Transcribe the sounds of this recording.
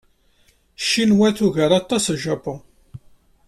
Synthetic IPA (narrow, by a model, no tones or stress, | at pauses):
ʃːinwæθuʝəɾˤɑt̪ˤːɑsʒɑpo